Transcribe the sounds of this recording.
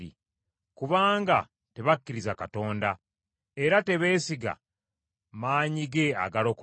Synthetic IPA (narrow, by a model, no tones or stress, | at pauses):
ḭ | kuβaːŋɡa̰ | te̞βakːiɾizakato̞ːnda | e̞ɾate̞βe̞ːsiɡa̰ | maːɲiɡe̞a̰ɡalo̞k